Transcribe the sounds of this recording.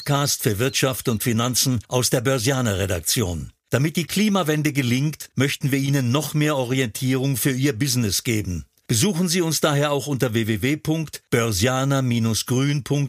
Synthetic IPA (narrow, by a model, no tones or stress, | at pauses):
kʰaːstfyːɐvɪɐtʃaftʊntfinant͡sn̩ʔaʊsd̥eːɐbœɐzjaːnɐʁeda̰k̚t͡sjo̰ːn | d̥amɪt̚d̥iːkʰl̥iːmavɛndəɡəlɪŋktmœçtn̩viːɐʔiːnənːɔχmeːɐʔɔʁiɛntʰiːʁ̞ʊŋfyːɐʔiːɐbɪznɪsɡ̥eːbn̩ | b̥əzuːxn̩ziːʊnsd̥aːɦeːɐaʊxʔʊntɐveːveːveːpʰʊŋktb̥œɐzjaːnɐmiːnʊsɡ̥ʁyːnpʰʊŋk̚t